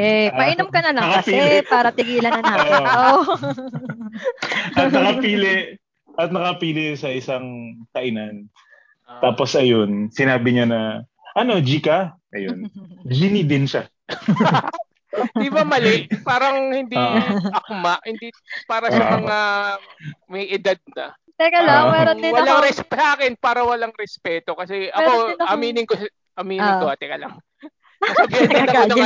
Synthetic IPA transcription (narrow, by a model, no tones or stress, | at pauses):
ɛpɐʔɪnɐmkɐnɐlɐŋkkɐsɛpaːɾɐt̪ɪɡiːlɐnɐnaːɪaw | ɐt̪ɐkɐpiːlɪ | ʔɐt̪̚nɐkɐpiːlɪsɐʔɪsaŋkɐʔɪnan | t̪aːpo̞sʔɐjo̞nsɪnaːbɪɲanɐ | ʔɐno̞d͡ʒiːkaʔɐjond͡ʒinid̪ɪnʃa | d̪ɪbamɐlɛʔpaːɾɐŋhɪnd̪iɐkmaʔhɪnd̪ipaːɾɐsɐmɐŋa | mɐjɪd̪ad̪̚nɐ̰ | t̪ɛkɐlamɛɾod̪ɪwɐlaŋɾɛspsʔaːkɛnpaːɾɐwɐlaŋɾɛspɛːt̪o̞kɐsɛʔɐko̞ɐmiːnɪŋko | ʔɐmiːnnɪŋkoɐt̪ɛkɐlaŋ | ɐɐbɪɐd̪ɐoɐŋ